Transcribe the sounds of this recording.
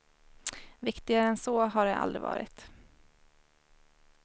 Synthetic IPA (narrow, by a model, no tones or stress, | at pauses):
vɪkt̪ɪɡaɾəɛnsɔːɦaɖɛʔa̰ld̪ɾɪ̰vɑ̰ːɾɪ̰t̪